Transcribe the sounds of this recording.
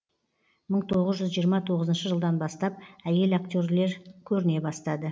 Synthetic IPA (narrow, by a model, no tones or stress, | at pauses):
məɴt̪ʰo̞ʁəzʒʏzʒijəɾmɑt̪ʰo̞ʁəzənʃəʒəlˠd̪ɑnbɑst̪ɑp̚æje̞lakt̪ʲoɾle̞ɾkʲʰɵɾɪne̞bɑst̪ɑd̪ə